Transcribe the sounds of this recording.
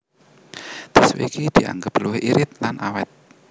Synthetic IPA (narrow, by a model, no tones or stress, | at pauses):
d̪̥iswḛikid̪̥i̤a̰ŋɡəpluwɪhʔiɾɪt̪̚lanʔawɛt̪̚